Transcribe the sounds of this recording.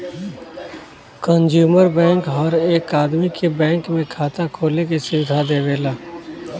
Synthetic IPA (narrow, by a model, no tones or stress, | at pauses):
kənd͡ʒjuːməɾbɛ̃ːŋkɔːɾeːkaːd̪mikʰebɛ̃ːŋkmẽkʰaːt̪akʰoːlekisɪwɪd̪ʱad̪eːʋeːlaː